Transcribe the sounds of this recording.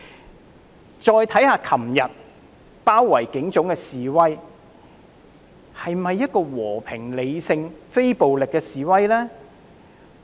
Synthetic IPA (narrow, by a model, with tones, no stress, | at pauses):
t͡ʃɔː˧jt̪ʰɐ˨˥jhaː˧kʰɐ˨˩mjɐ˨t̚ | paː˥wːɐ˨˩jkɪ˨˥ŋt͡sʊ˨˥ŋkɛː˧siː˨wɐ˥j | hɐ˨jmɐ˨jːɐ˥t̚kɔː˧wɔː˨˩pʰɪ˨˩ŋle˨˧jsɪ˧ŋfe˥jpo˨wlɪ˨kːɛː˧siː˨wɐ˥jlɛː˥